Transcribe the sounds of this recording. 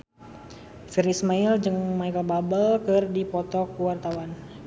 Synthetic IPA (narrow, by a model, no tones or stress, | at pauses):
firismaild͡ʒɨŋmaikababəlkɨrdipɔt̪ɔkuwart̪awan